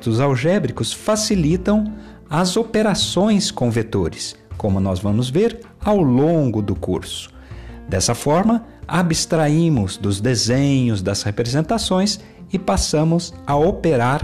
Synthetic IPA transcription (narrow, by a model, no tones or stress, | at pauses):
t̪ʊzawʒɛbɾikʊsfasilit̪ɐ̃w̃ | ɐzopeɾasõj̃skõw̃vet̪oɾɪs | kõmʊnɔzvɐ̃mʊzveɾ | awlõŋɡʊd̪ʊkṵɾsʊ̥ | d̪ɛsɐfɔɾmɐ | abist̪ɾaĩmʊzd̪ʊzd̪ezẽɲʊzd̪ɐzhepɾezẽnt̪asõj̃s | ɪpasɐ̃mʊzɐopeɾaɾ